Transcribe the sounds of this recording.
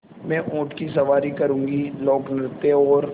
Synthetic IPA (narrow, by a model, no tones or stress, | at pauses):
mɛ̃ːʔõːʈkisɐʋaːɾikɐɾũːŋɡilɔːknɪɾt̪eɔːɾ